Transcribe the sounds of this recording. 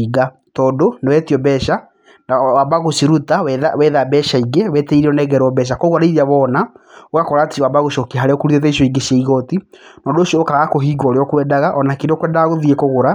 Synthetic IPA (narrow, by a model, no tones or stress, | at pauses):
iɡa | tɔːdonewɛtiɔbɛʃa | nawabaɣosiɾutawɛðawɛðabɛʃaiɡewɛteiɾeɔnɛɡɛɾɔbɛʃ̬akɔɣwaɾeiɾiaβɔːnaoɣakɔɾatiwabaɣoʃɔkeɦaɾeɔkuɾutet̬ɛiʃjɔiɡeɕiaiɣɔtinɔːndoːʃiɔːkaɣakoɦiːɡɔɾeɔkwɛdaɣaʔɔnakedɔkwɛːndaɣaɣoðiekoɣoɾa